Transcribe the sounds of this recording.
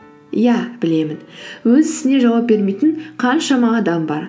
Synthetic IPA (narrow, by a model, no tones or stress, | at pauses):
jɑb̥ɪle̞mɪnwɵzɪsɪne̞ʒɑwɑp̚be̞ɾme̞jt̪ɪɴqʰɑnʃɑmɑːd̪ɑmbɑ̰ɾ